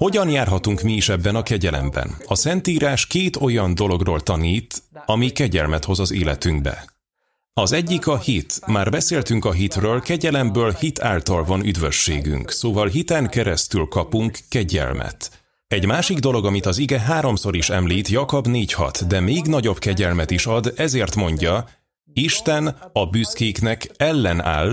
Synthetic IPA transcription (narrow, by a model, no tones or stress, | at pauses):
ho̞ɟɒnjaːrɦɒt̪uŋkmiːʃɛbːɛnɒkɛɟɛlɛ̰mbɛ̰nɒsɛnt̪iːɾaːʃkeːt̪o̞jɒnd̪o̞lo̞ɡroːlt̪ɒniːt̪ɒmikɛɟɛ̰lmɛt̪ho̞zɒzeːlɛt̪yŋɡ̚bɛ̰ | ɒzɛɟːikɒhit̪maːrbɛseːlt̪yŋkɒɦit̪røːlkɛɟɛlɛmbøːlhit̪ʰaːlt̪ɒlvɒnyd̪vø̞ʃːḛːɡy̰ŋksoːvɒlɦit̪ɛŋkɛɾɛst̪ylkɒpuŋkːɛɟɛ̰lmʔɛ̰t̪ | ɛɟmaːʃiɡd̪o̞lo̞ɡɒmit̪ɒziɡɛɦaːɾo̞mso̞ɾiʃɛmliːt̪jɒkobneːchɒ̰t̪d̪ɛmeːɡnɒɟo̞bkɛɟɛlmɛt̪iʃɒd̪ɛzeːrt̪mo̞ɲɟɒ | iʃt̪ɛnɒbyskeːknɛkɛlːɛna̰ːl